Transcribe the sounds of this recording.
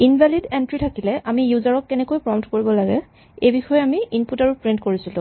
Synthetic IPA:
inbʱalidɛntɹitʰakilɛʔamijuzaɹɔkːɛnɛkojpɹɔmtkoɹibɔlaɡɛ | ejbixɔjɛamiinputaɹupɹintkoɹisilʊ̃

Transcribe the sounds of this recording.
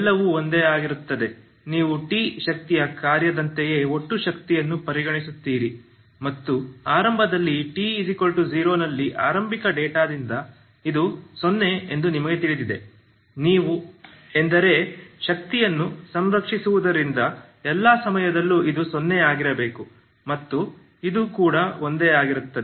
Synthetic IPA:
ɛlːɐʋuo̞nd̪eːaːɡiɾut̪ːɐd̪e̞ | niːʋuʈiːʃɐk̚t̪ijɐkaːɾjɐd̪ɐnt̪eje̞ːo̞ʈːuʃɐk̚t̪ijɐnːupɐɾiɡɐɳisut̪ːiːɾi | mɐt̪ːuaːɾɐmbʱɐd̪ɐlːiʈiːsikɐlʈuziːɾoːnɐlːiʔa̰ːɾɐmbʱikɐɖeːʈaːd̪ind̪ɐ | id̪usonːe̞end̪unimɐɡe̞t̪iɭid̪id̪e̞ | niːʋu | end̪ɐɾe̞ʃɐk̚t̪ijɐnːusɐmɾɐkʂisuʋud̪ɐɾind̪ɐ | ɛlːɐsɐmɐjɐd̪ɐlːuʔid̪usonːeaːɡiɾɐbe̞ːku | mɐt̪ːu | id̪uːkuːɽɐo̞nd̪eːaːɡiɾut̪ːɐd̪e

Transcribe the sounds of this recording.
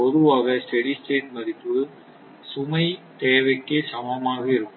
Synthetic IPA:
ɔðɯʋaːɣɐsʈɛɽisʈeːʈ̚mɐɾɪpːɯɽɯ | sʊmɐɪt̪eːʋɐɪkːesɐmɐmaːɣɐɪɾɯkːɯ

